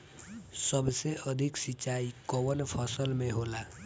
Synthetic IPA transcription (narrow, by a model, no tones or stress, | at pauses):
səbseəd̪ʱɪksɪt͡ʃːaːikəʋənpʰəsəlmẽɦoːlaː